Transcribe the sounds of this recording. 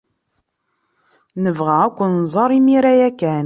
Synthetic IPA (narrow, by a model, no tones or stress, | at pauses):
nəvʁaækʷːənzˤɑɾˤimiɾæjækːæn